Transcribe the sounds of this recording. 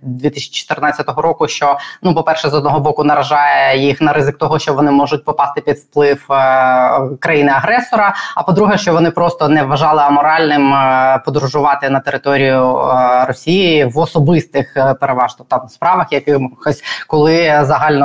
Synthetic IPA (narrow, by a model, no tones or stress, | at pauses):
d̪ʲʋʲit̪ɪsʲɐ̥t͡ʃɔ̥t̪ɪrnɑtʲt͡sʲːɐt̪ɔɦɔɾɔkʊʃt͡ʃɔnupɔpɛrʃɛzɔd̪nɔɦɔbɔkʊnɐɾɐʒɑjɛjixnɐɾɪzɪk̚t̪ɔɦɔʃt͡ʃɔʋɔnɪmɔʒʊt̚ʲpɔpɑst̪ɪpʲid̪fplˠɪw | kɾɐjinɪɐɦɾɛsɔɾɐɐpɔd̪ɾuɦɛʃt͡ʃɔʋɔnɪpɾɔst̪ɔnɛʋʋɐʒɑlˠɪɐmɔɾɑlʲnɪmpɔd̪ɾʊʒʊʋɑt̪ɪnɐt̪eɾɪt̪ɔɾʲijʊrɔsʲijiʋɔsɔbɪst̪ɪxpeɾeʋɑʒt̪ɔt̪ɑmspɾɑʋɐxjɐkɪɔsʲkɔlˠɪzɐɦɑlʲnɔ